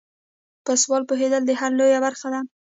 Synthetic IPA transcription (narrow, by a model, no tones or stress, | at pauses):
pəswɑlpoɦed̪əld̪əhaɾlojabaɾxad̪a